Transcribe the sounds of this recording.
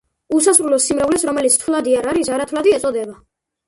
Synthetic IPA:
usasɾulɔsimɾɛvlɛsɾɔmɛlit̪sʰt̪ʰlˠad̪iaɾaɾisaɾat̪ʰlad̪iɛt̪sʼɔd̪ɛba

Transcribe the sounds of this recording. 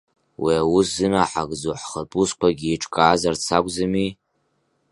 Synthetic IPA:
wʔiawʊszɨnaħaɡʼd͡zoħχəpʼusqʷaɡʲiːʈ͡ʂʼkʼaːzart͡sʰakʷʼzɨmi

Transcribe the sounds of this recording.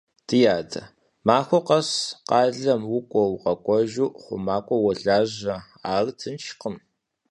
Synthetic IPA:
d̥ʰɨjaːdɐ | maːxʷɔqɐsqɑːɮɐmwʊkʷʼɔwqɐkʷʼɔʒuːχʷʊ̰maːkʷʼɔwɐɮaːʑɐ | aːrtʰɨnt͡ʃqəm

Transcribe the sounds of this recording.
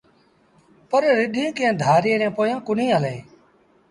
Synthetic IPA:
pəɾɾɪɗĩːkẽːd̪ʱaːɾeːnẽːpoːjãːkʊnĩːəleː

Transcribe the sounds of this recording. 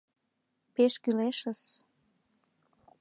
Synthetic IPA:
peʃkyleʃəs

